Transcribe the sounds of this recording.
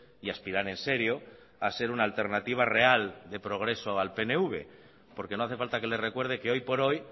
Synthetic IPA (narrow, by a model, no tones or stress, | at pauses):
iaspiɾaɾẽ̞nse̞ɾjo̞ | ase̞ɾunaːlt̪e̞ɾnat̪iβ̞are̞ald̪e̞pɾo̞ɣ̞ɾe̞soalpe̞ne̞uβ̞e̞̰ | po̞ɾkeno̞aθe̞falt̪ake̞le̞re̞kwe̞ɾð̞e̞ke̞o̞jpo̞ɾo̞j